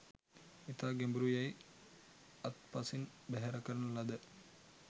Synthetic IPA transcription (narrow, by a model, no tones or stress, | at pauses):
it̪aɡembɾujɐj | ɐt̪pɐsin | beɦɐɾɐkːɐɾɐnulːɐd̪ɯ